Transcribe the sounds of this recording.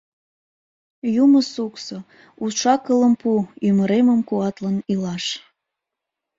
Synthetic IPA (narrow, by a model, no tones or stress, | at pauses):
juməsukso | uʃɑkələmpuyməɾeməmkuɑt̪lənilɑʃ